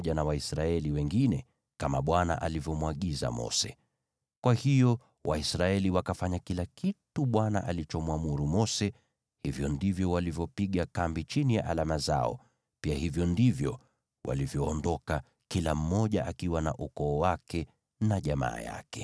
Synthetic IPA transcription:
ʄanawaisɾaɛliwɛŋɡinɛ | kamaɓwana̰ʔalivjɔmwaɠiza̰mɔ̰sɛ | kwahijɔ | wʔaisɾaɛliwakafaɲakilakituɓwana̰ʔalit͡ʃɔmwamuɾumɔsɛ | hivjɔndivjɔwalivjɔpiɠakambit͡ʃinijaʔalamaza̰ɔ̰ | piahivjɔndivjɔ̰ | wʔa̰livjɔːndɔka | kilam̩mɔʄaʔakiwanaʔukɔːwakɛ | naʄama̰ːja̰kɛ

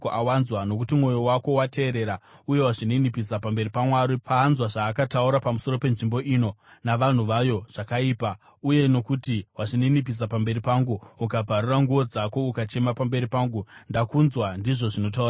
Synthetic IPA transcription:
awanzwano̞kutimwo̞jo̞wako̞wate̞ːɾe̞ɾauje̞waʐiniinipisapambe̞ɾipamwaɾipaːnzwaʐaːkatauɾapamuso̞ɾo̞pe̞nʐimbo̞ʔiːno̞naʋan̤uʋajo̞ʐ̥akaiːpa | uje̞no̞kutiwaʂiniinip̬is̬apambe̞ɾipaŋɡuukabʱaɾuraŋɡuʋo̞d͡zako̞ukat͡ʃe̞mapambe̞ɾipaːŋɡundakunzwandiʐo̞ʐino̞t̬aura

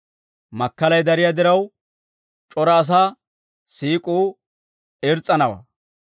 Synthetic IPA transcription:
mɐkːɐlɐjd̪ɐɾɪjad̪ɪɾɐw | t͡ʃʼɔɾɐːs̬aː | siːkʼuː | ɛɾt͡sʼːɐnɐwɐ̰

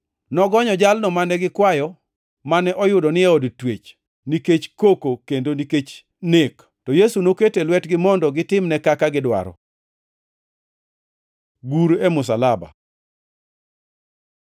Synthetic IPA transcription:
nɔɡɔɲɔd͡ʒalnɔmanɛɡɪkwajɔ | manɛʔɔjʊdɔnɪjaodtwet͡ʃ | niket͡ʃkokokendoniket͡ʃ | nek | tɔjesunoketelwɛtɡɪmɔndɔɡɪtɪmnɛkakaɡɪdwa̰ɾɔ̰ | ɡuɾemʊs̬alaba̰

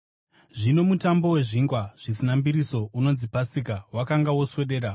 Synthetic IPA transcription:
ʐino̞mutambo̞we̞ʐiŋɡwaʐ̥isinambiɾiso̞ʔuno̞nzipasikawakaŋɡawo̞swe̞ɗe̞ːɾa

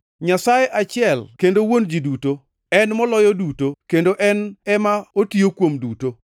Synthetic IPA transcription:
ɲasajeʔat͡ʃɪɛlkendowond͡ʒiduto | ɛnmɔlɔjɔdutokendoʔɛnɛmaotiokwomduto

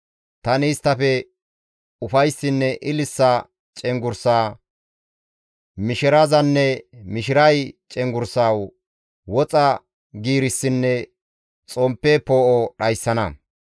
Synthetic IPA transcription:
t̪ɐnɪːst̪ːɐfɛ | ʊfɐjsːɪnːɛʔɪlɪsːa | t͡ʃʼɛŋɡʊɾsaː | mɪʃɪɾazɐnːɛmɪʃ̬ɪɾɐjt͡ʃʼɛŋɡʊɾsaːw | wɔt͡sʼɐ | ɡiːɾɪsːɪnːɛ | t͡sʼɔmpːɛpoːʔɔɗɐjsːɐnɐ

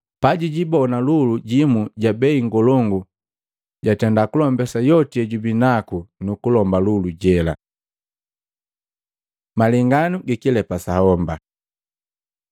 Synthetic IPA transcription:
paɟiɟibɔnaluluɟimuɟabɛiŋɡɔlɔŋɡu | ɟatɛndakulɔmbɛsajɔtiɛɟubinakunukulɔmbaluluɟɛla̰ | maliŋɡanuɡikilɛpasahɔmba

